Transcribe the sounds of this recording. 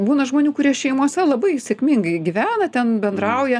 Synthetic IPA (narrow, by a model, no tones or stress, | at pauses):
buːnɐʒmoːnʲuːkʊɾʲiɛʃʲɛɪmuɔsʲɛlˠɐbɐɪsʲɛkmʲɪŋɡɐɪɡʲɪʋʲæːnɐt̪ʲɛnbʲɛnd̪ɾɐʊjɛ